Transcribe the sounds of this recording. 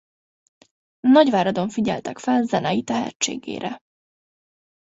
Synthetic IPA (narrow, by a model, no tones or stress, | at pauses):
nɒɟʋaːɾɒd̪o̞ɱfiɟɛ̰lt̪ɛkfɛlzɛnɛjit̪ɛɦɛ̰t͡ʃːḛːɡḛːɾʔɛ